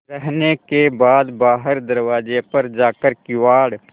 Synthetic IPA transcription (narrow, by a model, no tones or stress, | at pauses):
ɾəɦnekebaːd̪baːɦəɾd̪ɐɾwaːd͡ʒepəɾd͡ʒaːkəɾkɪwaːɽ